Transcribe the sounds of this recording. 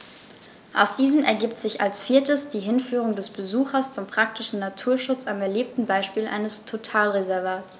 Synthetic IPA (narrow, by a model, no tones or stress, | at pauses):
ʔa̰ʊsd̥iːzəmɛɐɡiːp̚tz̥ɪça̰lsfiːɐtəsd̥iːɦɪnfyːʁ̞ʊŋdɛsb̥əzuːxɐst͡sʊmpʁ̥ak̚tɪʃn̩natʰuːɐʃʊt͡samɛɐleːp̚tn̩baɪʃpiːlʔa̰ɪnəstʰotʰaːlʁezɛɐvaːtt͡s